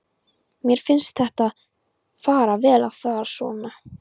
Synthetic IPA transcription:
mjɛɾ̥fɪnst̪θɛht̪a | faːɾavɛːlavfaːɾasɔːma

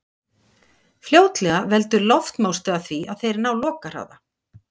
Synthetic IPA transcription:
fljoːwt̪lɛɣavɛlt̪ʏɾlɔft̪moːwst̪œɣaθviaðθejɾnaːwlɔːkar̥a̰wða

